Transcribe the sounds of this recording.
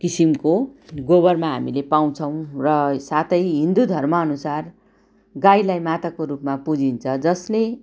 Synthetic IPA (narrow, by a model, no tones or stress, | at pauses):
kisimkoɡobʌrmaɦamilepaw̃t͡sʰʌw̃rʌsat̪ʰʌjɦind̪ud̪ʱʌrmʌːnusar | ɡajlajmat̪akoɾupmapud͡zint͡sʰʌd͡zʌsle